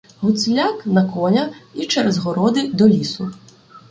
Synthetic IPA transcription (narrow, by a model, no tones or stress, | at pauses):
ɦʊt̪sʲlʲaknɐkɔnʲɐit͡ʃɛɾɛzɦɔɾɔd̪ɪd̪ɔlʲisʊ